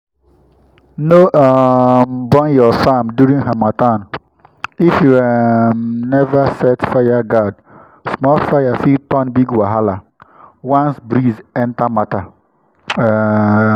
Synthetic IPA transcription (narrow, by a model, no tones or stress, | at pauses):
noʔambɔ̃njɔfamdjuɾĩŋɦamatan | ifjuɛmnɛvasɛtfajaɡad | smɔlfajafiltɔnbiɡwaɦala | wãnsbɾizɛ̃ntamata